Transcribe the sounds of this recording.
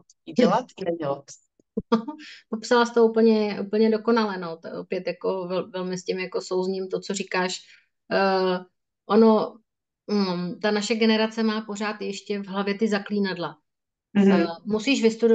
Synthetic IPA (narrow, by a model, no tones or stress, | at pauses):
iɟɛlat̪nɛɛl | opopsalast̪oupl̩ɲɛʔupl̩ɲɛdo̞ko̞nalɛnot̪aʔopjɛt̪jako̞vɛlvɛlmɪscɪmjako̞sowzɲiːmt̪o̞t͡so̞rikaːʃ | ʔono̞ | t̪anaʃɛɡɛnɛɾat͡sɛmaːpo̞ɾaːt̪jɛʃcɛvɦlavjɛt̪ɪzakliːnadla | musiːʃvɪst̪udo